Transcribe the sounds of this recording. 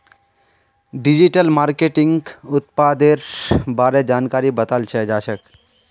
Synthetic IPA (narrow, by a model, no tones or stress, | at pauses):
ɖid͡ʒiʈəlmaːɾkeʈɪŋɡɡʊt̪pad̪eɾbaːɾed͡ʒaːnkaːɾibət̪əlt͡ʃʰɛd͡ʒaːʃək